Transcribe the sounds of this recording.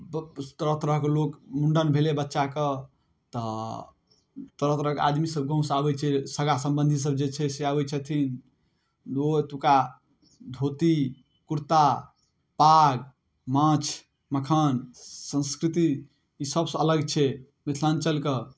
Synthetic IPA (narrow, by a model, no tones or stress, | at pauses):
t̪əɾət̪ɾəɦkelokmuɳɖənbʱelebətːʃakə | t̪ɔ | t̪əɾət̪ɾəɦka̰d̪misəb̚ɡʱə̃ũsabɛt͡ʃʰɛsəɡasə̃mbənd̪ʱis̬əb̚d͡ʒet͡ʃʰɛseabɛt͡ʃʰɛt̪ʰin | dot̪uka | d̪ʱot̪i | kuɾt̪a | paɡ | mãt͡ʃʰ | məkʰənsə̃nskɾit̪iː | səbsə̃ələɡt͡ʃʰɛ | mit̪ʰlant͡ʃəlkə